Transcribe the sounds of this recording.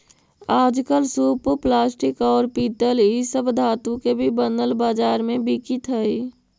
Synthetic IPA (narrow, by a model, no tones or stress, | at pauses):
aːd͡ʒkəlsuːpoplaːsʈɪkɔːɾpiːt̪əlisəbʱd̪ʱaːt̪ũkebʱibənd̪əlbaːd͡ʒaːɾmẽbikit̪ɦəi